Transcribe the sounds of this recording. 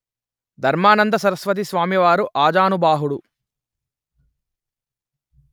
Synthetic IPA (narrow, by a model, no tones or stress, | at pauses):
d̪ʱɐɾmaːnɐnd̪ɐsɐɾɐsʋɐt̪̬isʋaːmiʋaːɾuʔaːd͡ʒaːnubaːɦuɽu